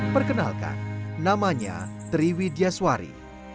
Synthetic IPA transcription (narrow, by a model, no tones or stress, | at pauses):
pərkəna̰lka̰nnamaɲa̰t̪ɾiwidiaswaɾḭ